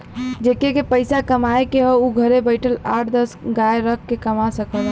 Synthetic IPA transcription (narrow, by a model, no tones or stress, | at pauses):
d͡ʒekekepəɪsakəmaekeɦəuɡʱəɾebəɪʈʰəlaʈʰd̪əsɡaeɾəkʰkːekəmasəkʰəl